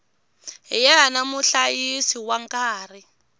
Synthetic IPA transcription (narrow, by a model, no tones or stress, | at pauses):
jɛanamuɬajisiwaŋkaːri